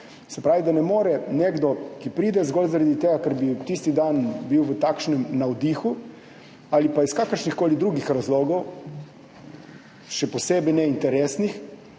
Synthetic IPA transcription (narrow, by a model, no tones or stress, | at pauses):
sɛpɾaːʋid̪anɛmoːɾɛneɡd̪ɔkipɾiːd̪ɛzɡoːlzaɾad̪it̪eːɡakaɾbit̪ist̪id̪anbiwʋət̪aːkʃnɛmnawd̪ixu | alipaiskaːkəɾʃnixkoːlid̪ɾuːɡixɾazloːɡɔw | ʃɛpɔseːbɛjnɛint̪ɛɾesnix